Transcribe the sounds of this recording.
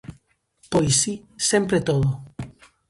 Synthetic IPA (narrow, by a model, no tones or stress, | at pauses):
pojsisempɾet̪oðo